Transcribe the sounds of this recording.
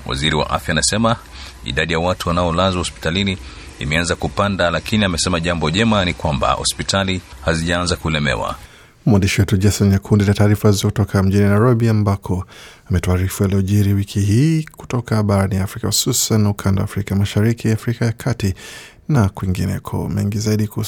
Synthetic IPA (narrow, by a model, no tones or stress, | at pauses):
wa̰ziɾiwa̰ʔa̰fjaːnasɛma | ḭɗaɗijawatuwanaɔlazwahɔspi̥talini | ḭmɛanzakupandalakiniamɛsɛmaʄambɔʄɛmanikwamba̰hɔ̰spitʰalihaziʄaanzakulɛmɛ̰wa̰ | muwandiʃiwɛtuʄasɔnjakʰundinataːɾifahizɔkutɔkʰam̩ʄininajɾɔɓiambakʰɔ | amɛtɔaːɾifuɛlɛɔʄiɾiwikʰiɦiːku̥tɔkaɓaɾanijafɾikahu̥susanːaukʰandawafɾikamaʃaɾikʰiafɾikajakʰati | nakwiŋɡinɛ̰kʰɔ̰mɛ̰ŋɡizaiɗiku